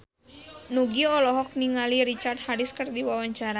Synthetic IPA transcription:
nuɡiɔlɔɦɔk̚niŋaliɾit͡ʃart̪̚haɾiskərdiwawaɲt͡ʃaɾa

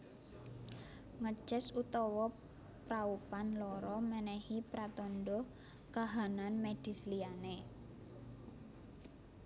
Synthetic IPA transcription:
ŋə̥ʒ̥ɛsut̪ɔwɔ | pɾaupanlɔɾɔmənɛhipɾat̪ɔndɔ | kaɦananmed̥i̤sliane

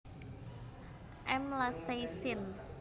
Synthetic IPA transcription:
ʔɛmlasejsɪn

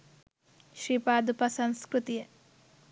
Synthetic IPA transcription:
ʃɾiːpaːd̪upɐsɐnskɾut̪ijə

